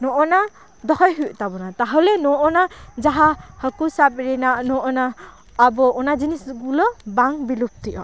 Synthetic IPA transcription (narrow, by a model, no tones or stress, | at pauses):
nɔʔɔna | d̪ɔɦɔjɦuʔt̪abɔnat̪aɦɔlɛnɔʔɔnad͡ʒaɦahəkusapɾinaʔnɔʔɔnaː | bɔɔnad͡ʒinisɡulɔbaŋbilup̚t̪iʔɔ